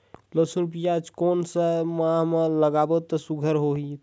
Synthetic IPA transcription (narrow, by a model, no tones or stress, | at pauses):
ləsuɾpijat͡ʃkonsəmãɦmeləɡabət̪ːəsuɡʱəɾɦoɦi